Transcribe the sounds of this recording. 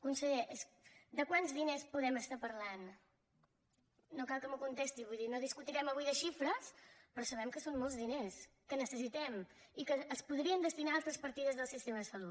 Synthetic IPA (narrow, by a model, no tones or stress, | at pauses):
kunsəʎeʔesd̪əkwanzðinespuðɛməst̪apərlan | okalˠkəmukunt̪est̪iβujðinoðiskut̪iɾɛməβujðəʃifɾəspɾɔsəβɛmkəsonmolˠzðines | kənəsəsit̪ɛm | ikəːspuðɾiənd̪əst̪inaalˠt̪ɾəspəɾt̪iðəzðəlˠsist̪eməsəlu